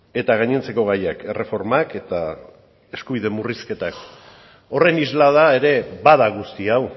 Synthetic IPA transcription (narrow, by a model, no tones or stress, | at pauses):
e̞t̪aɣ̞aɲent͡se̞ko̞ɣ̞ajake̞rʔe̞fo̞ɾmake̞t̪a | e̞skuβ̞iðe̞muriske̞t̪ak | o̞re̞nizlaðae̞ɾe̞βaðaɣ̞ust̪iaw